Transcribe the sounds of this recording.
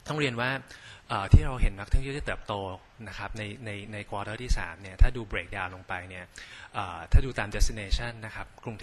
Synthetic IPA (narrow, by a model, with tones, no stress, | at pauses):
t̪ɔ˥˩ŋɾi˧ənwaː˥˩ʔəː˨˩t̪ʰiː˥˩ɾa˧wɦe˩˦nma˦˥k̪̚ʰɯ˥˩˨da˥˩t̪ɤː˨˩p̚t̪oː˧ | na˦˥kʰa˦˥p̚na˧jna˧jna˧jkʰwɔː˧ɾɤː˥˩t̪ʰiː˥˩sa̰ː˩˦mni˥˩ɐt̪ʰaː˥˩duː˧bɾeː˨˦k̚daː˧wlo˧ŋpa˧jni˥˩ɐʔəː˨˩t̪ʰaː˥˩duː˧t̪aː˧mdɛ˦˥si˧neː˧t͡ɕʰa˥˩nːa˦˥kʰa˦˥p̚kɾu˧ŋt̪ʰː